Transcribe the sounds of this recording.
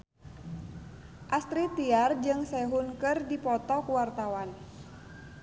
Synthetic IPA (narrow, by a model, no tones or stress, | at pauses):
ʔast̪ɾit̪iard͡ʒɨŋsɛɦunkɨrdipɔt̪ɔkuwart̪awan